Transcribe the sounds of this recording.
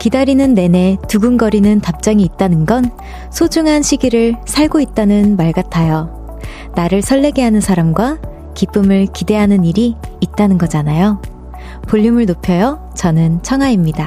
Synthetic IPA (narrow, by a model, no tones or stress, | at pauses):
kidaɾinɯnːe̞ne̞tuɡɯnɡʌɾinɯntap̚t͡ɕ͈ʌŋiːt̚t͈anɯnɡʌn | sʰod͡ʑuŋɦanɕʰiɡiɾɯɭsʰaɭɡoit̚t͈anɯnmaɭɡatʰajʌ | naɾɯɭsʰʌɭːe̞ɡeɦanɯnsʰaɾamɡwa | kip͈ɯmɯɭkide̞ɦanɯniɾiːt̚t͈anɯnɡʌd͡ʑanajo | poʎːumɯɭnopʰjʌjʌ | t͡ɕʌnɯnt͡ɕʰʌŋɦaimɲida